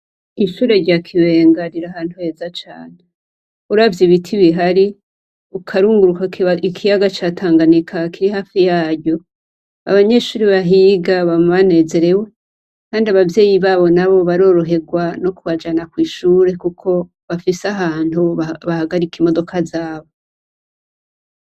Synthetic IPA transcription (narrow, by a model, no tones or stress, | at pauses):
iʃuːɾe̞ɾɟakʰiwe̞ːŋɡaɾiɾahaːn̥huhe̞ːzat͡ʃaːn̥e | uɾavjiβitʰiβiɦaɾi | ukʰaɾuːŋɡuɾukaikʰijaɡat͡ʃatʰaːŋɡanikʰakiɾihaːfijaːɾɟo̞ | a̰βaɲe̞ʃuːɾiβaɦiːɡaβamβane̞ːze̞ɾe̞we̞ | kaːndiaβavje̞ːjiβaːβo̞naβo̞βaɾo̞ːɾo̞ɦe̞ɡwano̞kuβad͡ʒanakwiːʃuːɾe̞kukʰo̞ | βafisaɦaːn̥huβahaɡaɾikimo̞do̞kʰazaːβo̞